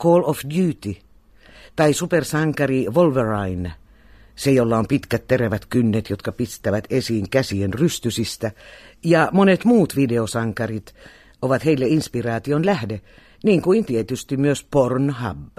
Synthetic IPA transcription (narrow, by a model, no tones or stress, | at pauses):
koːlofd̪jyːt̪i | t̪ɑisupersɑŋkɑriʋolʋerɑin | sejolːɑompit̪kæt̪t̪ereʋæt̪kynːet̪jot̪kɑpist̪ˑæʋæt̪esiːŋkæsienryst̪ysist̪æjɑmonet̪muːt̪ʋideosɑŋkɑrit̪ | oʋɑt̪heilːeinspirɑːt̪ionlæhde | niːŋkuint̪iet̪yst̪imyøspornhɑ̰bː